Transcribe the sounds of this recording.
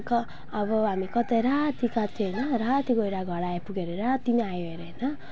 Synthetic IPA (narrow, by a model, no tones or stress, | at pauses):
kʌː | bʌɦamikʌt̪eɾat̪ikat̪ʰinʌɾat̪iɡojɾaɡʱʌɽajpuɡeɾeɾat̪imajoeɾnʌ